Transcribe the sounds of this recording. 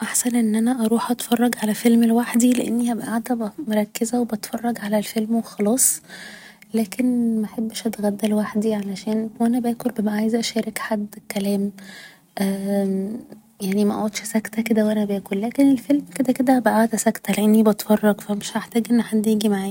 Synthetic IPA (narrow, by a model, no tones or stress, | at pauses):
ʔaħsænʔenːʔænæʔɑɾˤuːħʔɑt̪fɑrˤːɑɡʕalæfelmelwaħd̪ileʔenːihæbæʔaʕd̪æbmoɾˤɑkːezæwebɑt̪fɑrˤːɑɡʕalælfelmwexɑlɑːsˤ | læːkʰenmæʔħabːʃʔæt̪eɣæd̪ːælwaħd̪iʕalæʃæːnwʔænæbæːkolbemæʔʕajezʔæʃæːɾekħad̪ːkælæːm | ʔæː | jaʕnimæʔɑʕod̪ʃsækt̪æked̪æwʔænæbæːkollæːkenelfelmked̪æked̪æbæʔaʕd̪æsækt̪æleʔenːibɑt̪fɑrˤːɑɡfæmeʃʔaħt̪æːɡʔenːʔæħad̪ːjiːɡimaʕaːj